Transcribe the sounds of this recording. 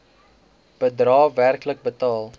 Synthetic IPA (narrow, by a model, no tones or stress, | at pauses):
b̥ədrɑːværklək̚bətɑːlˠ